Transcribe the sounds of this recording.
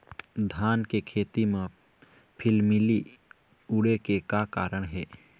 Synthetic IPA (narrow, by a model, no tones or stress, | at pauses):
d̪ʱaːnkekʰeːt̪imẽ | pʰɪlmɪli | ʊɽekekakaːɾəɽ̃ɦɛː